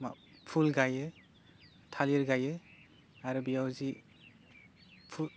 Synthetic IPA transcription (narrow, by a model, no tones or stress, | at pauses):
ma | pʰulɡajɯ | tʰaliɾɡajɯ | aɾɯbijawzi | pʰu